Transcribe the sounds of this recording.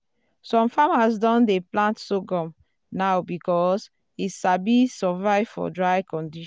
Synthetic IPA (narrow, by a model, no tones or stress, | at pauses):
sɔ̃mfamasdɔ̃ndeplãntsoɡɔ̃m | naʊbikɔs | itʃabisɔvaɪv̥fɔ̰dɹaɪkɔ̃ndiʃ